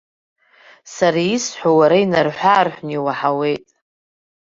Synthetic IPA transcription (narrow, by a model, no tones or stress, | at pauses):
saɾaisħʷawaɾainarħʷaːrħʷniwaħawe̞jtʼ